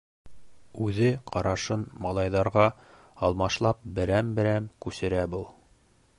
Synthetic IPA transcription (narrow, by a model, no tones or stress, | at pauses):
ʉðɘqɑɾɑʃɤnmɑlˠɑjðɑɾʁɑ | ɑlˠmɑʃlˠɑp̚bɘ̆ɾæmbɘ̆ɾæmkʉsɘ̆ɾæbulˠ